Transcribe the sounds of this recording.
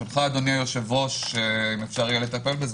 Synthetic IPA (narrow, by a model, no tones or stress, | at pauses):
olχaːd̪o̞niajoʃevoʃeimefʃaʁijelet̪ape̞lbez